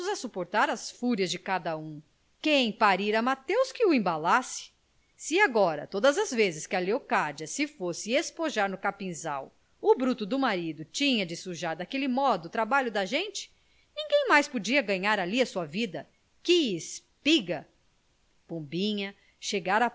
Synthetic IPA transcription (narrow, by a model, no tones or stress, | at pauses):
zɐsupoɾt̪aɾɐsfuɾjɐzd͡ʒɪkad̪ɐũ | kẽj̃paɾiɾɐmat̪ewskɪʊẽbalasɪ̥ | sɪaɡɔɾɐ̰t̪od̪ɐzɐzvezɪskɪɐleokad͡ʒɐsɪfosɪespoʒaɾnʊkapĩza̰w | ʊbɾut̪ʊd̪ʊmaɾid̪ʊt͡ʃĩɲɐd͡ʒɪsuʒaɾd̪akelɪmɔd̪ʊːt̪ɾabaʎʊd̪ɐʒẽnt͡ʃɪ̥ | nĩŋɡẽj̃majspod͡ʒiɐɡɐ̃ɲaɾaliɐsuɐvid̪ɐ | kɪɪspiɡɐ | põbĩɲɐ | ʃeɡaɾɐ